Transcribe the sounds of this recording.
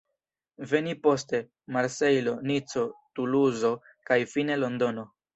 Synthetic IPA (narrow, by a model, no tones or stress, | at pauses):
ve̞nipo̞ste̞ | maɾse̞jlo̞nit͡so̞tuluzo̞ | kajfine̞lo̞ndo̞no̞